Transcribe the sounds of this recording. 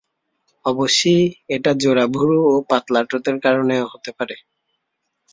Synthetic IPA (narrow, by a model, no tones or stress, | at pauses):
ɔbosijɛʈazoɹabʱuɹuopat̪laʈɔt̪eɹkaɹɔneɦot̪epaɾɛ